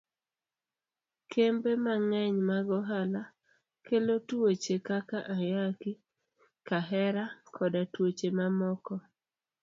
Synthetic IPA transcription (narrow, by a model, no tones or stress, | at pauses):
kʰembemaŋɛɲmaɡɔɦala | kelotwot͡ʃekakaʔajaki | kaɦɛɾakʰɔdatwot͡ʃemamɔkɔ